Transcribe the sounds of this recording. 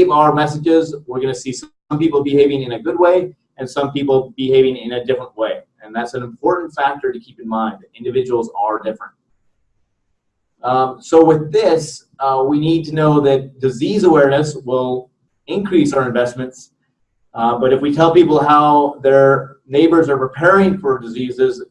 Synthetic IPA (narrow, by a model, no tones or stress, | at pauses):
ɪ̃aʊə˞mɛs̬ɨd͡ʒɪzwɪɹɡʌnɨsis | ʌ̃mpipl̩ˠbɨheɪvɪ̃ŋɨ̃nɨɡʊd̚weɪ | ɨ̃nsʌ̃mpipl̩ˠbɨheɪvɪ̃ŋɪ̃nɨdɪfɹə̃nʔweɪ | ɨ̃nðætsɨ̃ñ̩m̩pʰɔɹʔn̩tfæk̚tə˞ɾɨkʰipn̩mãɪ̃nðɨɾɪ̃ndɨvɪd͡ʒəwl̩ˠzə˞dɪfɹɨ̰̃nt̚ | soʊwɪðɪs | winid̚tɨnoʊðɨt̚d̥ɨzizəwɛɹnɨswɪlˠ | ɪ̃nkʰɹ̥isaʊɨ̃ɱvɛsmɨ̃nts | bʌɾɨfwitʰɛlˠpipl̩ˠɦaʊðə˞neɪbə˞zə˞pʰɹ̥ɨpʰɛɹɪ̃ŋfə˞dɨzizɪz